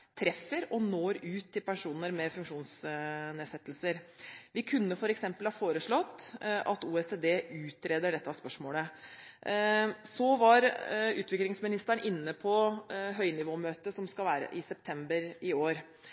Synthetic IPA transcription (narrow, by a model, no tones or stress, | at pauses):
t̪ʰɾɛfːəɾɔnoːɾʉːt̪ʰːɪlpɛɳʂuːnəɾmɛfʉŋkʂuːnsneːsɛt̪ːlsəɾʋɪkʰʉnːəfɔɾɛksɛmpəlhɑːfoːɾəʂɭɔt̪ːʔɑt̪uːɛseːd̪eːʉːt̪ɾeːd̪əɖɛt̪ːəɑspœʂmoːlə | sɔʋɑɾʉ̰ːt̪ʋɪklɪŋsmɪnɪst̪æɳʔɪnːəpʰɔɦœʏnɪʋoːmøːt̪əsɔmskɑʋæːɾə̰ʔɪsɛp̚t̪ʰɛmbəɾɪoːɾ